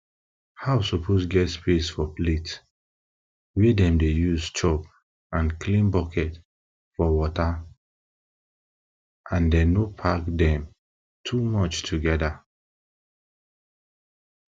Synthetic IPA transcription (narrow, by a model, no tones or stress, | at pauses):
hawsɔpʰosɡɛtspesfɔplet | wedɛ̃mdejuzt͡ʃɔp | ãnklĩnbɔkʰɛt | fɔwɔta | ʔãndɛ̃nopʰakdɛ̃m | tʰumɔt͡ʃtʰuɡɛda